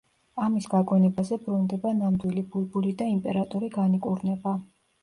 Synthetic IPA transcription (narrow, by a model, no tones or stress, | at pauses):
amisɡaɡwɛnɛbazɛbɾund̪ɛbanamd̪wilibulˠbulid̪aimpʼɛɾat̪ʼɔɾiɡanikʼuɾnɛba